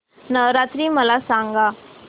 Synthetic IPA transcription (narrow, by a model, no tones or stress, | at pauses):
nəɾat̪ɾiːməlasãŋɡa